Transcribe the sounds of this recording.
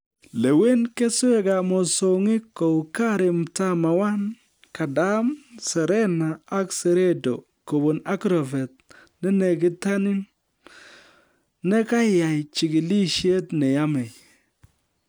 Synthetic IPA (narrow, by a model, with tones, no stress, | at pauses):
le˨we˦nke˦se˦ka˨mɔ˨so˨ŋɪ˦kːo˨ka˦ɾɪ˨mta˦ma˨wa˦n | ka˨da˦msɛ˨ɾe˦naː˨˦kse˨ɾe˦do˨ | ko˨bo˨na˦kɾɔ˨ve˨t̚ | ne˦ne˨k̬ɪ˦ta˦nɪ˦n | ne˦ka˦ja˨jt͡ʃi˨ki˨li˦ʃe˦tne˨ja˦me˨j